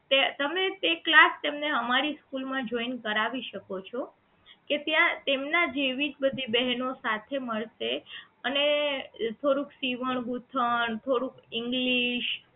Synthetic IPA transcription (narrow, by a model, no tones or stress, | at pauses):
t̪et̪əmet̪eklast̪emneəmaɾiskulmãd͡ʒoinkəɾaʋiʃəkot͡ʃʰo | ket̪jãt̪emnad͡ʒeʋid͡ʒbəd̪ʱibɛɦnosat̪ʰeməɭʃe | ənet̪ʰoɾũksiʋəɳ̃ɡut̪ʰəɳt̪ʰoɽũkɪŋɡliʃ